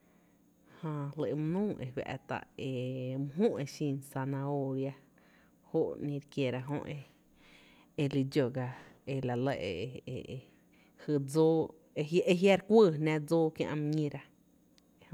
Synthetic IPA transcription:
hã˧lə˧˨e˧mũ˧nũː˦e˨wʲa̰˧ʔt̪a̰˧˨ʔe˧˨mũ˧ɦũ˦ʔe˧˨ʃĩː˧nsa˧nã˧o˧ɾja˧ | ho˦ʔnĩ˧ɾkje˧˨ɾa˧ɦõ̰˦˧ʔe˧ | e˧li˧d͡ʒo˧˨ɡa˧e˧la˨lə˧˨ʔe˨˧e˨e˧˨ | hɨ˧d͡zoː˦ | e˧ʔe˧ɦja˦ɾkʷəː˦˨nã˦˧d͡zoː˦kjã̰˧ʔm˧ɲĩ˧ɾa˧

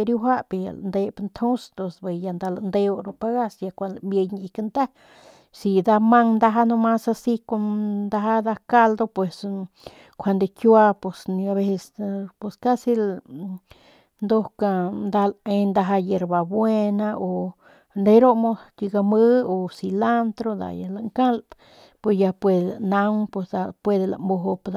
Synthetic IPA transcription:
e˧ɾju˧ɦʷa˦ʔpe˧˨ja̰˨l̰nd̪e˧pnt̪ʰo˦st̪o˧sbe˨ja˧nd̪a˧land̪e˧o˧ɾo˧pa˧ɡa˦˧sja˧kʷa˧lmbje˧jɲ˧i˧ka˧nt̪a˦ | si˧d̪a˧ma˧ŋnd̪a˧ɦa˦no˧ma˦sa˧si˦ko˧nd̪a˧ɦa˦d̪a˧ka˧ld̪o˧pwe˨s | kʷʰa˧nd̪e˧kjwa˧po˨sn˧a˧βe˧se˧spe˧ska˦si˦l | nd̪o˦hka˧nd̪a˧le˧nd̪a˧ɦa˧je˧ɾba˨bwe˦na˧o˨ | d̪e˧jɾo˦mo˧ski˧ɡa˧mɨ˦o˨si˧la˦nt̪ɾo˧d̪a̰˨ja˨la˨ŋka˦l | pwe˨sja˧pwe˧d̪eana˧ŋpwe˧sd̪a˧pwe˧d̪e˧la̰˨mbo˧ɦo˧pd̪a˧

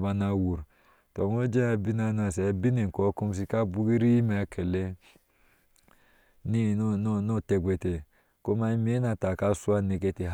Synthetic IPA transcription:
ba˦na˨wu˨ɾ | to˨ŋ˦o˦d͡ʒe˦a˨bi˦na˦˨˦nu˦a˨se˨˦bi˦ne˨ŋ̩˨kɔ˨˦ko˦m˦s̬i˦ka˦bu˦ɡi˦ɾi˦i˦me˨a˨˦kʰe˨le˦ | ni˦n˦no˦˨te˨ɡʷe˨te˨ | ko˦ma˦i˦me˦na˨ta˨ka˦su˦a˦ne˨k̬e˦te˨ɦ

